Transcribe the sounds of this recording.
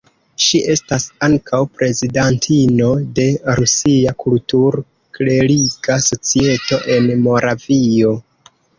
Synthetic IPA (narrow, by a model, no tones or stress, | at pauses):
ʃiʔe̞stasaŋkʰawpɾe̞zidantʰino̞de̞ɾusiakultuɾ | kle̞ɾiɡaso̞t͡sie̞to̞ʔe̞nmo̞ɾavio̞